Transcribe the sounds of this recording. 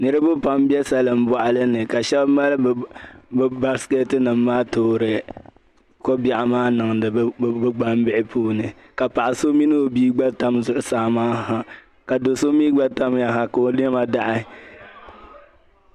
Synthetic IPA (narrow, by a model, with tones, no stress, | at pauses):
nɨ˦ɾɨ˦bʊ˦pa˨mbi˦ɛ˦sa˦lɨ˨m˦bɔ˨ʔa˨lɨ˦nɨ˨ka˨ʃɛ˦bma˦lɨ˦bbba˦ɾske˦tɨ˦nɨ˨mːaː˦toː˦ɾɨ˨ | ko˦bja˨ʔɪ˨maː˦nɨ˨ŋdɨ˨˦bɨ˦ɡ͡ba˦m˦bɪ˦ʔɪ˦pʰuː˦nɨ˨ | ka˨pa˨ʔa˨so˦mi˦nɨ˦o˨biː˦ɡ͡ba˦ta˦mzʊ˨ʔʊ˨saː˨˦˨maː˦ha˨ | ka˨do˨so˦miː˦ɡ͡ba˦ta˦mja˨ɦa˨ka˨o˨lɪ˦ɛ˦ma˦da˦ʔɪ˦